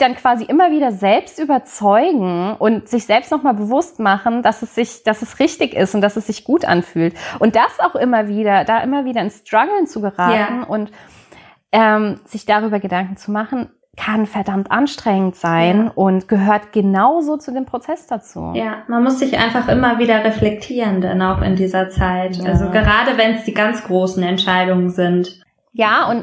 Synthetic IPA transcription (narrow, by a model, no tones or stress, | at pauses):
d̥ankv̥aːziʔɪmɐviːdɐzɛlpstʔyːbɐt͡sɔʏɡŋ̩ʔʊntz̥ɪçz̥ɛlpstnɔχmaːlbəvʊstmaχn̩dasɛsz̥ɪçd̥asɛsʁɪçtɪçɪstʊntd̥asɛsz̥ɪçɡ̥uːtʔa̰nfyːltʔʊnt̚d̥asaʊxʔɪmɐviːɾɐdaːʔɪmɐviːdɐɪnstʁ̥aɡl̩nt͡suɡəʁaːtːn̩ʔʊnt | ʔɛmz̥ɪçd̥aʁyːbɐɡədaŋkŋ̩t͡sumaχn̩ | kʰanfɛɐdamtʔanʃtʁ̥ɛŋən̩tz̥aɪnʔʊntɡ̥əɦøːɐtɡ̥ənaʊzoːt͡sudeːmpʁ̥ot͡sɛsd̥at͡sṵːjaːmanmʊsz̥ɪçʔa̰ɪnfaχʔɪmɐviːdɐʁeflɛk̚tʰiːʁəndanaʊxɪ̰ndiːzɐt͡saɪtʔalzoɡəʁaːdəvɛnsd̥iːɡant͡sɡ̥ʁoːsn̩ɛntʃaɪdʊŋənzɪnt | jaːʔʊnt